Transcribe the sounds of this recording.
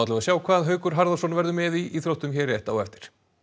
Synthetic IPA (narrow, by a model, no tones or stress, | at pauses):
awt̪lɛvasjaːwkʰvaːðaðɦœːɥkʏɾ̥ɦaɾðasɔnvɛɾðʏmɛðiːθɾowht̪ʏmçɛːɾːjɛht̪aa̰wɛft̪ɪ̥ɾ̥